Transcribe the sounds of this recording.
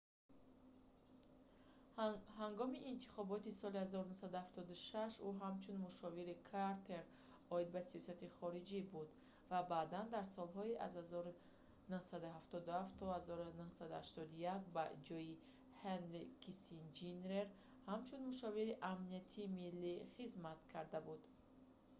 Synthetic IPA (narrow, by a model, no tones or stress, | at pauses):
haŋɡɔmiʔːnt̪ʰi̥χɔbɔt̪isɔlihazɔɾunusad̪uhaft̪ɔd̪uʃaʃuɦamt͡ʃʰunmuʃɔviɾikʰaɾt̪ʰe̞ɾ | ɔid̪̚basiɔsat̪iχɔɾid͡ʒibud̪ | vabaːd̪and̪aɾsɔlɦɔiʔa̰zhazɔɾu | nuhsad̪uɦaft̪ɔd̪uhaftt̪ʰːɔhazɔɾunuhsad̪uhaʃt̪ɔd̪ujakbad͡ʒɔji | hanɾikisind͡ʒinɾeɾ | hamt͡ʃʰunmuʃɔviɾiʔamniat̪ʰiːmilːiχizmat̪kʰaɾd̪abud̪̥